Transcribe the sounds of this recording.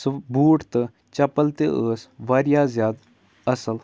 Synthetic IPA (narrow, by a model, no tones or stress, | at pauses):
sbuːʈt̪ɨ | t͡ʃɐpəlt̪eəːsʋaːɾjaːzjaːd̪ | ɐsəl